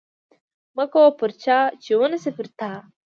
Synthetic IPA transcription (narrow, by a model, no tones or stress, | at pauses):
mɐkoːpuɾt͡ɕʰaːt͡ɕonɐsepiɾt̪ʰaː